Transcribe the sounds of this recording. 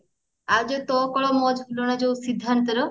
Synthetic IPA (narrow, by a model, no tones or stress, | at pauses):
ad͡ʑot̪ɔkɔɭɔmɔd͡ʑɦulonad͡ʑowsid̪ʱːant̪oɾo